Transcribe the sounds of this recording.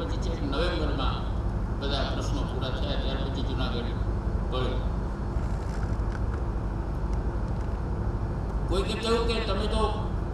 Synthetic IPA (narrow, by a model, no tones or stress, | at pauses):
pət͡ʃʰit͡ʃʰeknəʋemənmã̰ | bəd̪ʱapɾəsnõpuɾat̪ʰəjaɾjaɾpət͡ʃʰid͡ʒʊnaɡəɽpəɭjo | koːikekəɦũːket̪əmẽt̪o